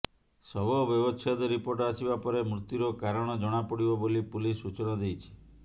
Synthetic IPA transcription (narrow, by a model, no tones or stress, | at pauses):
sɔbɔbjɔbɔt͡ʃʰɔd̪ɔɾipoɾʈɔasibapɔɾemɾut̪juɾɔkaɾɔɽ̃ɔd͡ʒɔɽ̃apɔɽibɔbolipulisːut͡ʃɔñɔd̪ejt͡ʃʰi̥